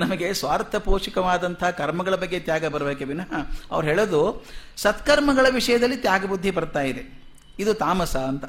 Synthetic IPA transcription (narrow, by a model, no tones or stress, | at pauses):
nɐmɐɡe̞sʋaːɾt̪ʰɐpoːʂikɐʋaːd̪ɐnt̪ʰɐɦɐkɐɾmɐɡɐɭɐbɐɡːe̞t̪jaːɡɐbɐɾɐbeːkebinɐɦɐɐ̰ʋɐɾɦeːɭod̪usɐt̪kɐɾmɐɡɐɭɐʋiʂɐjɐd̪ɐlːit̪jaːɡɐbud̪ʱːibɐɾt̪aːjid̪e | id̪ut̪aːmɐsɐːnt̪ɐ